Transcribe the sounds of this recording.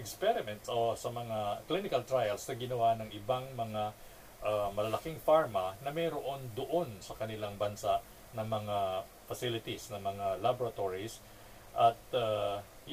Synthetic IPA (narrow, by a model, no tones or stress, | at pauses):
ɛkspɛɾɪmɛnt̪sosɐmɐŋaklinɪkɐlt̪ɾajɐlsnɐɡɪnɐwanɐŋɪbaŋmɐŋa | ʔamɐlɐlɐkɪŋfaɹmɐnɐmɛjɾoʔo̞nd̪oʔo̞nsɐkɐnɪlaŋbɐnsaʔ | nɐŋmɐŋa | fɐsilɪt̪isnɐmɐŋalaboɾɐt̪oɹis | ʔɐt̪̚a | j